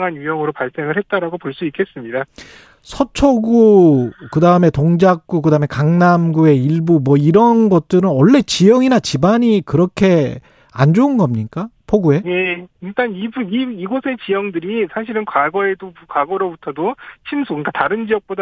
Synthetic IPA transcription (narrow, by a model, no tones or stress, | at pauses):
ŋanjujʌŋɯɾopaɭs͈e̞ŋɯɭɦe̞t̚t͈aɾaɡopoɭs͈uik͈e̞s͈ɯmɲida | sʰʌt͡ɕʰʌɡukɯdaɯme̞toŋd͡ʑak̚k͈ukɯdaɯmekaŋnamɡue̞iɭbumwʌiɾʌnɡʌt̚t͈ɯɾɯnwʌɭːe̞t͡ɕijʌŋinat͡ɕibaɲikɯɾʌkʰe̞ | a̰nd͡ʑoɯnɡʌmɲik͈apʰoɡue̞je̞iɭt͈anibuniiɡosʰe̞t͡ɕijʌŋdɯɾisʰaɕʰiɾɯnkwaɡʌe̞dokwaɡʌɾobutʰʌdot͡ɕʰimsʰukik͈ataɾɯnd͡ʑijʌk̚p͈oda